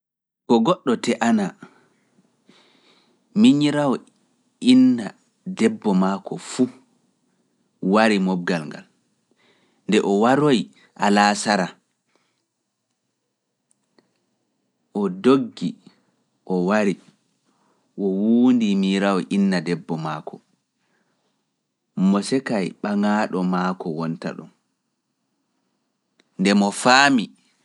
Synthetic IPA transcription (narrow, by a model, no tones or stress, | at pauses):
kɔɡɔɗːɔtɛʔana | miɲiɾawɔ | inːa | dɛbːɔmaːkɔfu | waɾimɔb̚ɡalŋɡa̰l | ndɛʔɔwaɾoj | ʔalasaɾa | ʔɔdoɡːi | ʔɔwaɾi | ʔɔwuːndimiɾawɔʔinːadɛbːɔmakʰɔ | mɔsɛkajɓaŋaːɗɔmakɔwɔnta̰ɗṵm | ndɛmɔfaːmi